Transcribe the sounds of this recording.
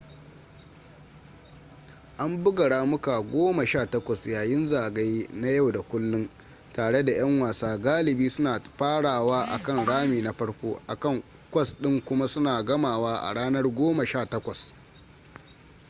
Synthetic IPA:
ʔa˦mbʊ˦ɡɐ˨ɽaː˦mʊ˦ka˨ɡʷoː˦ma˨ʃaː˦˨tɐ˦kʷɐ˨sjaː˨jɪ˦nzaː˨ɡa˦jna˦ja˦˨wda˨kʷʊ˦lːʊ˦n | taː˨ɽe˦da˨j̰ɐ˦ŋwaː˨saː˦ɡaː˦lɪ˨biː˦sʊ˦naː˨ɸaː˦ɽaː˨waː˦ʔa̰˨kɐ˦˨nɽaː˦miː˨na˦ɸɐ˦ɽkʷoː˦ʔa˨kɐ˦˨ŋ | kʷɐ˦sɗɪ˦ŋkʷʊ˦ma˦sʊ˦naː˨ɡɐ˦maː˨waː˦ʔa̰˨ɽaː˦nɐ˦rɡʷoː˦mɐ˨ʃaː˦˨tɐ˦kʷɐ˨s

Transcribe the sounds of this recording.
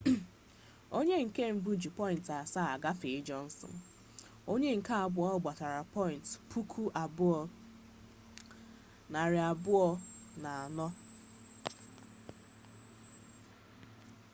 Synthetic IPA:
o˦ɲe˦ŋ̩˨ke˦m̩˦bu˦d͡ʒi˨pɔ˦ɪ˨n̩˨ta˨sa˦a˨ɡa˦fe˨ɪ˦d͡ʒɔ˦n̩˦sɔ̰˨n˨ | o˦ɲe˦ŋ̩˨ka˦a˨bʊ˨˦ɔ˦ɡ͡ba˨ta˨ɾa˨pɔ˦ɪ˨n̩˨tpʰu˦kʰu˦ʔa˨bʊ˦ɔ˦ | na˨ɾɪ˨a˨bʊ˦ɔ˦na˨a˨nɔ˦

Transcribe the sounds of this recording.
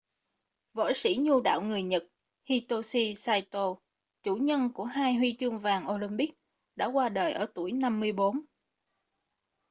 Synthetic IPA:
vo̰˧˥jsḭ˧˥ɲu˧ɗa̰ː˧˨wŋɨ˨˩əjɲə˨˩t̚ | hi˧t̪o˧si˧saː˧jt̪o˧ | t͡ɕu˧˩ɲə˧nku˧˩əɦaː˧jhwi˧t͡ɕɨ˧əŋvaː˨˩ŋʔo˧li˧mɓi˦˥k̚ | ɗa̰ː˧˥kwaː˧ɗəː˨˩jʔəː˧˩t̪u˧˩əjna˧mːɨ˧əjɓo˨˦n

